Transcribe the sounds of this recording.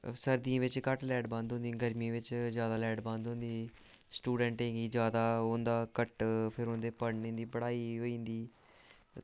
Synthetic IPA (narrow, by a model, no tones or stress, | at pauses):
səɾd̪iãːʋɪt͡ʃkəʈlɛːɖbãːnd̪ɦʊ̃nd̪iːɡəɾmĩːʋɪt͡ʃzjaːd̪aːlɛːɖbãnd̪ɦʊ̃ːnd̪iː | sʈuːɖə̃ɳʈẽːɡiːd͡ʒjaːd̪aːʊnd̪aːkəʈpʰɪɾɦʊ̃nd̪eːpəɽnĩːnd̪iːbəɽaːiːɦoːĩːnd̪iː